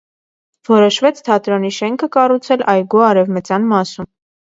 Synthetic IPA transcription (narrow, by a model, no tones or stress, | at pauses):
vɔɾɔʃvɛt͡sʰt̪ʰɑt̪ɾɑniʃɛŋkʰəkɑrut͡sʰɛlʔɑjɡuɑɾɛvmət͡sjɑnmɑsum